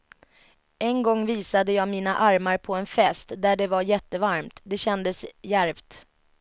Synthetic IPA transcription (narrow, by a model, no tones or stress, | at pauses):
ɛnɡɔŋːviːsad̪əjɑːmiːnaʔaɾmaɾpʰɔɛnfɛst̪d̪æɖɛvajɛt̪ːəvaɾmt̪d̪ɛɕɛnd̪əsjæɾvt̪